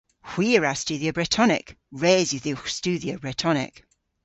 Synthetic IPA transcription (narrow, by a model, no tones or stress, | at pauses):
hw̥iːɹast͡ʃʉːðiəbɹɛtʰɔnɪ̰kɹeːzjuðist͡ʃʉːðiobɹɛtʰɔnɪ̰k